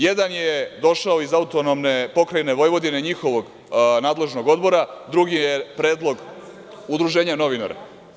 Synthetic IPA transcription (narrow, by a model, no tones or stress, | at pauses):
jed̪anjed̪o̞ʃaoizaut̪onomne̞po̞kɾajne̞ʋo̞jʋo̞d̪ine̞ɲixo̞ʋo̞ɡ | naːd̪le̞ʒno̞ɡo̞d̪bo̞ɾad̪ɾuɡijepɾe̞ːd̪lˠo̞ɡ | ud̪ɾuʒe̞ːɲano̞ʋina̰ɾa̰